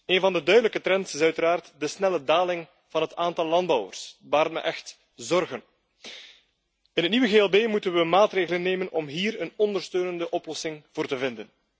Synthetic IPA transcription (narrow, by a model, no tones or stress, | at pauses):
eːnvɑndədœɥdələkətɾɛntsɪsœɥtəɾaːrtdəsnɛlədaːlɪŋ | v̥ɑnɦətaːntɑlˠːɑnd̚bɑwə̰rsʋaːɾətmɛ̰ʔɛxt | zɔrɣən | ɪnətniʋəɣeːɛlˠbeːmutənʋəmaːtreːɣələnːeːmənɔmɦiːɾənɔndərstøːnəndəʔɔplɔsɪŋv̥oːrtəvɪndən